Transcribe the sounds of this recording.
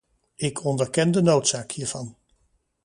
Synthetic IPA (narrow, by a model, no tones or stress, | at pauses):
ɪkʰɔndəɹkɛndənowtsaːkhiːɹv̥ɑn